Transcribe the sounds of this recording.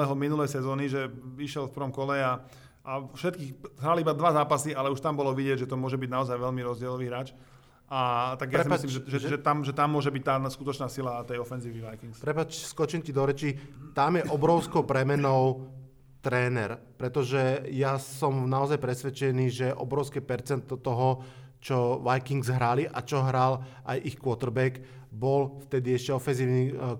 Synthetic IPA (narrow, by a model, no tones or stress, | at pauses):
ɛɦɔminulɛjsɛzɔːniʒɛiʃjɛlfpər̩ʋɔmkɔlɛa | ʔafʃɛt̪̚kiːxɦɾalibad̪ʋazaːpasialɛuʃt̪ambɔlɔʋiɟɪɛɟʒɛt̪ɔmʊɔʒɛbiɟnaɔzajʋɛʎmiɾɔzɟɪɛlɔʋiːɦɾaːt͡ʃ | ʔat̪aɡjaaɾiɛslimʒɛʒɛʒɛt̪amʒɛt̪amːʊɔʒɛbic̚t̪aːskut̪ɔt͡ʃnaːsilat̪ɛjɔfɛnziːʋiʋajkiŋkspɾɛpaːt͡ʃskɔt͡ʃimcid̪ɔɾɛt͡ʃit̪amjɛʔɔbɾɔʊskɔʊpɾɛmɛnɔʊ | t̪ɾɛːnɛɾpɾɛt̪ɔʒɛjasɔmnaɔzajpɾɛsʋɛt͡ʃɛniːʒɛʔɔ̰bɾɔʊskɛpɛɾt͡sɛnt̪ɔt̪ɔɦɔ | t͡ʃɔʋajkiŋɡzɦɾaliʔa̰t͡ʃɔɦɾalʔajʔixkʋɔt̪r̩bɛk | bɔlft̪ɛd̪iɛʃcɛɔfɛnziːʊni